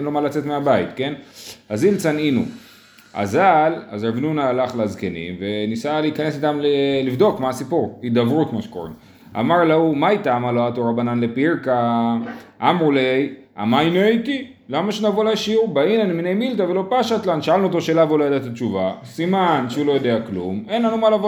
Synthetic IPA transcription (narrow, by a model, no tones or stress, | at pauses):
nlomalat͡se̞tmeabait̪ke̞nazilt͡saninṵ | a̰zala̰zavnunaːlaχleazkenḭmvenisaliikanesit̪amlelivd̪o̞kmaːsipuʁid̪avʁukmaʃe̥ko̰ʁḭn | a̰maʁlaumajt̪aamaloat̪oʁabananle̞piʁka | ʔamʁulej | a̰majnejki | lamaʃenavolaʃiubainaniminejmilt̪avelo̞paʃat̪lanʃaalnuot̪o̞ʃelavulojad̪at̪at͡ʃuvasimanʃeulo̞jod̪eaklṵme̞nlanumalavo